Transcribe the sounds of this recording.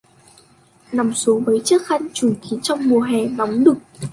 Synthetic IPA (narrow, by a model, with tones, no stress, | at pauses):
na˨˩wmsu˨˦ŋvəː˨˦jt͡ɕə˦˥k̚xa˧jŋ̟t͡ɕu˧˩ŋki˨˦t͡ɕɔ˧wŋ͡mmu˨˩əɦɛ˨˩nɔ˨˦wŋ͡mɗɨ˨˩ək̚